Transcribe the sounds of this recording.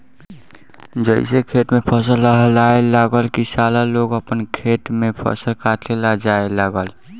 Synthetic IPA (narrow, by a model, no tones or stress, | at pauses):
d͡ʒəɪsekʰeʈmepʰəsəlːəɦəlaelaɡəlkisalaloɡəpənkʰeʈmepʰə̰səlkaʈʰlelad͡ʒaelaɡəl